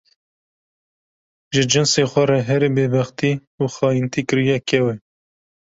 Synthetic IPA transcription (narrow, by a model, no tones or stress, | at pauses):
ʒɨd͡ʒɪnseːxʷɛɾɛɦɛɾebeːbɑxt̪i | uːxɑːjint̪iːkɨɾijɛkʰɛwɛ